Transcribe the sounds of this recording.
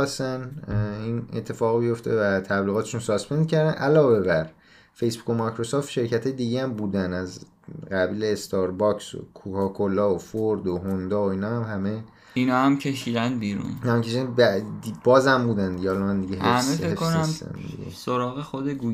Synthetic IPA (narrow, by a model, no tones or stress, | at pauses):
sæninet̪ʰːe̞fɒːɣbijo̞ft̪ʰevæt̪ʰæbliɣɒːt̪ʰeʃunsɒːspʰend̪cʰæɾd̪ænʔælɒːve̞bæɾ | fe̞jsbu̥ko̞mɒjkɾosɒːft̪ʃe̞ɾcʰæt̪ʰɒːjed̪iɟeæmbuːd̪ænæz | ɢæbiːleːst̪ʰɒɾbɒkso̰kʰukʰɒkʰolɒːofoɾd̪oɦond̪ɒːoiːnɒːhæmhæme̞ | inɒːhæmcʰeʃiːd̪ænbiːɾṵnnmmkʰe̞ʃid̪ænbæd̪ibɒːzæmbuːd̪ænd̪iɟeɒlɒmænd̪iɟeɦeæsmefekʰːonæmsæ̰n̰d̪ḭɟḛsoɾɒːɣexod̪eɡu